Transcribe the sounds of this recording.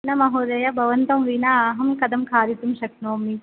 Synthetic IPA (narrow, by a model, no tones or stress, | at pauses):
nɐmɐɦoːd̪ɐjabʱɐʋɐnt̪ɐmʋinaːɦɐmkɐd̪ɐmkʰaːɾit̪umʃɐknoːmi